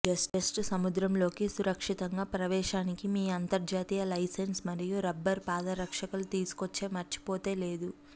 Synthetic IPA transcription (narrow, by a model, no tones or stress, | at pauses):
d͡ʒɐsʈesʈsɐmud̪ɾɐmlo̞ːkisuɾɐkʂit̪ɐŋɡaːpɾɐʋɛːʃaːnikimiːɐnt̪ɐɾd͡ʒaːt̪ijɐlɐjsensmɐɾijuɾɐbːɐɾpaːd̪ɐɾɐkʂɐkɐlut̪iːsu̥kot͡ʃːe̞ːmɐɾt͡ʃi̥poːt̪e̞ːle̞ːd̪u